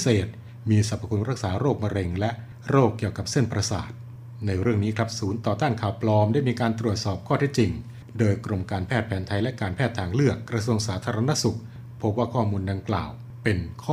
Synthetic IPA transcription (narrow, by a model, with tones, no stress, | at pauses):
seː˨˩t̪̚ | miː˧sa˨˩p̚ʰːa˧kʰu˧nɾa˦˥k̚saː˩˦ɾoː˥˩k̚ma˧ɾe˧ŋlɛ˦˥ʔ | ɾoː˥˩kːi˨˩əwka˨˩p̚se˥˩npɾa˧sa̰ː˨˩t̪̚ | na˧jɾɯ˥˩əŋniː˦˥kʰɾa˦˥p̚suː˩˦nt̪ɔː˨˩t̪aː˥˩nkʰaː˨˩wpʰlɔː˧mdaː˥˩jmiː˧kaː˧nt̪ɾu˨˩ət̪̚sɔː˨˩p̚kʰɔː˥˩t̪ʰɛː˦˥˩t͡ɕi˧ŋ | doː˧jkɾo˧mkaː˧npʰɛː˥˩t̪̚pʰɛː˩˦nt̪ʰa˧jlɛ˦˥kaː˧npʰɛː˥˩t̪ʰːaː˧˩ŋlɯ˥˩əkːɾa˧su˧əŋsaː˩˦t̪ʰaː˧ɾa˧na˦˥su˨˩k̚ | pʰo˦˥p̚waː˥˩kʰɔː˥˩muː˧nda˧ŋkla̰ː˨˩w | pe˧nkʰɔː˥